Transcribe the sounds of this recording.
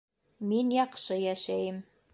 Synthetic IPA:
minjɑqʃɤjæʃæjɘm

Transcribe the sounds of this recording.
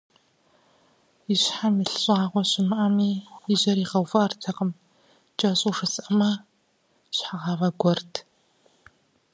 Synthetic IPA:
iɕħamiɬɨɕʼaːʁʷɔɕɪmɨʔɐmiːɪʑɐɾiːʁɐwvɐʔɐrtʰɐqəm | t͡ʃʼɐɕʼuʂɨsʼɐmɐ | ɕħaʁɑʁɐɡʷɔrtʰ

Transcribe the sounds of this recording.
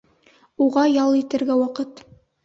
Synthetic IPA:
uʁɑjɑlˠit̪ɘ̆ɾɡæwɑqɤt̪

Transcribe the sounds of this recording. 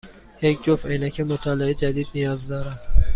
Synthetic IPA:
jecʰd͡ʒofejnæcʰemot̪ʰɒːleed͡ʒæd̪iːd̪nijɒːzd̪ɒːɾæn̥

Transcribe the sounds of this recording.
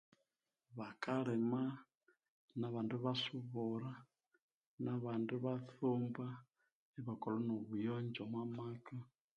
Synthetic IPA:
βakalɛma | naβanduβasuβuɾa | naβanduβaθumba | ɛβakolonoβujɔɲd͡ʒɔmwamaka

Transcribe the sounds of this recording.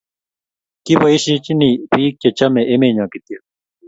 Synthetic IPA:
kibɐiɕit͡ɕinipiːk̚t͡ɕet͡ɕɐmeʔemeːɲãːkit̪ije

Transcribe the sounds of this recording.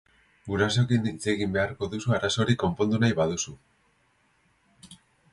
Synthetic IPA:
ɡuɾaso̞kinit͡se̞ɣimbe̞aɾko̞ðusuaɾaso̞ɾiko̞mpo̞nd̪unajβaðusu

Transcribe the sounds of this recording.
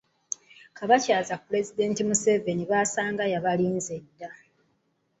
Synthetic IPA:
kaβacaːzapuɾe̞zide̞ːntimuse̞ve̞niβaːsaːŋɡajaβaliːnzedːa

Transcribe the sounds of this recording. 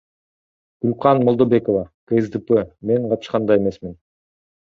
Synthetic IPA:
ɡ̥ulʲqɑnmolˠd̪obe̞ko̞vɑkeezd̪ɨpeme̞ɴqɑpʃqɑnd̪ɑje̞me̞smin

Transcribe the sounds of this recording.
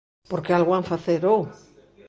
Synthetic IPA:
poɾkealɣwaɱfaθeɾow

